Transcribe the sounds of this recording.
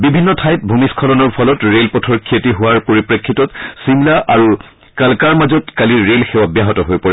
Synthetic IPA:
bibʱinːɔtʰajt̚bʱumiskʰɔlɔnɔɹpʰɔlɔtɹelpɔtʰɔɹkʰietiɦʊwaɹpoɹipɹekʰːitɔtsimlaʔaɹu | kalkaɹmazɔtkaliɹelxɛwabjaɦɔtɔɦojpɔɹɛ

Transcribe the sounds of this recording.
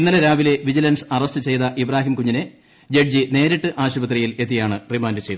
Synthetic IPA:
inːɐlɐɾaːʋile̞ʋid͡ʑilɐnsɨɐrɐstɨt͡ɕe̞jðɐʔibraːɦimkuɲːine | d͡ʑeɖ̚d͡ʑine̞ːɾiʈːɨʔaːɕubɐt̪̬rijile̞t̪̬ːijaːɳɨrimaːndɨt͡ɕejð

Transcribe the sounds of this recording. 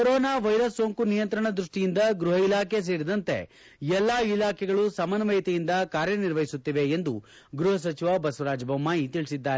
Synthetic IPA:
koɾoːnaːʋɐjɾɐsːoːŋkunijɐnt̪ɾɐɳɐd̪ɾuʂʈijind̪ɐɡɾuɦɐilaːkʰe̞s̬eːɾid̪ɐnt̪e̞̰ | ɛlːaːilaːkʰɛɡɐɭusɐmɐnɐʋɐjit̪ɛjind̪ɐkaːɾjɐniɾʋɐɦisut̪ːiʋe̞end̪u | ɡɾuɦɐs̬ɐt͡ʃiʋabɐsʋɐɾaːd͡ʒbɐmːaːjit̪iɭisid̪ːaːɾe

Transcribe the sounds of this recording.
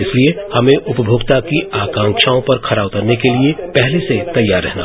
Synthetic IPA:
ɪsliehɐmẽʔʊpəbʱoːɡt̪akiʔaːkãːŋkʃaːõpɐɾkʰɐɾaːbk̪ɐɾnekeliepɛɦleset̪ɐjːaːɾːɛ̰ɦna̰

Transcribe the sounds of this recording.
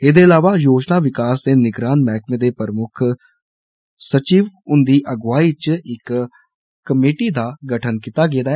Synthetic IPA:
eːd̪eːəlaːʋaːjoːd͡ʒnaːʋɪkaːsd̪eːnɪɡɾaːnmɛːkʰmẽːd̪eːpəɾmʊkʰ | sət͡ʃiːʋʊnd̪iːʔəɡʋaːiːt͡ʃɪk | kːəmeːʈiːd̪aːɡəʈʰənkit̪aːɡeːd̪aːɛ

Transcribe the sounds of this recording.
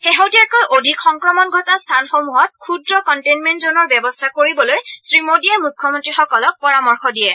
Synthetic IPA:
xeɦotiakojʔodʱikxɔŋkɹɔmɔnɡʱɔtastʰanxomuɦɔt̚kʰudɹɔkɔntenmentzɔnɔɹbjɛbɔstʰakoɹibɔlojsɹimodiaɹmukʰːɔmɔntɹixɔkɔlɔk̚pɔɹamɔɹxɔdijɛ

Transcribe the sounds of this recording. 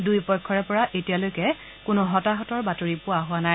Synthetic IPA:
dujpɔkʰːɔɹɛpɔɹaʔetijalojkɛ | kʊnʊɦɔtaɦɔtɔɹbatoɹipʊwaɦʊanaj

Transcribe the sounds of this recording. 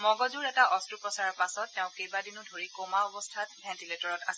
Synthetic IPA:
mɔɡɔzuɹɛtaʔɔstɹupɹɔsaɹɔɹpasɔtːɛʊ̃kejbadinʊdʱoɹikomaɔbɔstʰatbʱɛ̃ntiletɔɹɔtas

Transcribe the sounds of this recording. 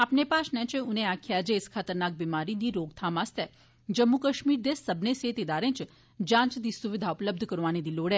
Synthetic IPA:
apnepaːʃnɛ̃t͡ʃeũnẽaːkʰjad͡ʒeskʰaːt̪əɾnaːk̚bimaːɾid̪iɾoːɡt̪ʰãːmaːst̪e | d͡ʒəmːukəʃmiːɾd̪esəbneset̪ed̪aːɾẽːt͡ʃ | d͡ʒãːnt͡ʃd̪isuʋɪd̪ʱaʊpləbd̪ʱkəɾʋaːned̪iloːɽe

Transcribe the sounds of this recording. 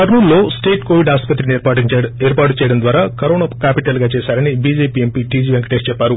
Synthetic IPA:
ɐɾnuːnlo̞ːsʈeːʈkoːʋiɖaːspɐt̪ɾiieːɾpaːʈut͡ʃɛːjɐɽɐmnd̪ʋaːɾaːkɐɾoːnaːkaːpiʈɐlɡaːt͡ʃɛːsaːɾɐnibid͡ʒeːpiːempiːʈiːd͡ʒiːʋeŋkɐʈest͡ʃɛpːaːɾu

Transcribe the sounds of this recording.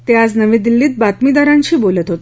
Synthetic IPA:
t̪ead͡znəʋẽːd̪ilːiːt̪̚bat̪mid̪aɾãɲt͡ɕiːbolət̪ɦot̪e̥

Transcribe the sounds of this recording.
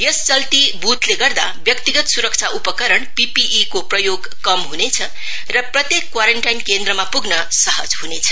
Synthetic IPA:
jʌst͡sʌlt̪ibut̪leɡʌrd̪abjʌkt̪iɡʌt̪suɾʌk̚t͡sʰaupʌkʌɾʌɳpipiʔikoprʌjoɡ | kʌmɦunet͡sʰʌ | rʌprʌt̪jekːwaɾeɳʈajnkend̪ɾʌmapuɡnʌ | sʌɦʌ̰d͡zɦunet͡sʰʌ̥

